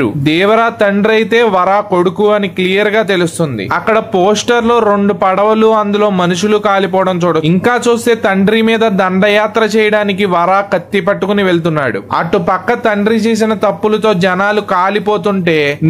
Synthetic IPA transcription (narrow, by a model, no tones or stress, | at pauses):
ṵd̪iːʋɐɾaːt̪ɐɳɖɾɐjt̪e̞ːʋɐɾaːko̞ɽukuɐniklijɐɾɡaːt̪e̞lust̪und̪ḭɐkːɐɽɐpoːsʈɐɾlo̞ːɾo̞ɳɖupɐɽɐʋɐluɐnd̪ulo̞ːmɐnuʂulukaːlipɔːʋɐɽɐmt͡ʃuːɽɐiŋkaːt͡ʃuːst̪e̞ːt̪ɐɳɖɾimiːd̪ɐd̪ɐɳɖɐjaːt̪ɾɐt͡ʃɛːjɐɽaːnik̬iʋɐɾaːkɐt̪ːipɐʈːukuniʋe̞ɭt̪̬unːaːɽṵɐ̰ʈːupɐkːɐt̪ɐɳɖɾit͡ʃeːs̬inɐt̪ɐpːulɐt̪o̞ːd͡ʒɐnaːlukaːlipo̞ːt̪uɳʈe̞ːn